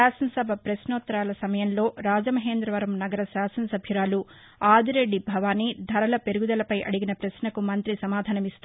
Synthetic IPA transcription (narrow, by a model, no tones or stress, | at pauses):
aːsɐnɐsɐbʱɐpɾɐsnoːt̪ːɐɾaːlɐsɐmɐjɐnlo̞ːɾaːd͡ʒɐmɐɦeːnd̪ɾɐʋɐɾɐmnɐɡɐɾɐsaːsɐnɐsɐbʱjuɾaːlu | aːd̪ʱiɾe̞ɖːibʱɐʋaːnid̪ʱɐɾɐlɐpe̞ɾuɡud̪ɐlɐpɐjʔɐ̰ɽiɡinɐpɾɐsnɐkumɐnt̪ɾisɐmaːd̪ʱaːnɐmist̪